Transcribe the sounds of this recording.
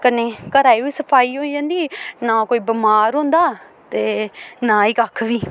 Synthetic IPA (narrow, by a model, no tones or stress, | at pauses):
kəneːkəɾaːiːʋiːsəpʰaːiːɦõːid͡ʒãːnd̪iːnãːkoːiːbəmaːɾɦõːnd̪aː | t̪eːnãːiːkakʰʋiː